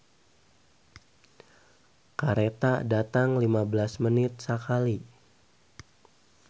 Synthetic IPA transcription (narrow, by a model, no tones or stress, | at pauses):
kaɾet̪adat̪aŋlimabəlasmənɪt̪̚sakali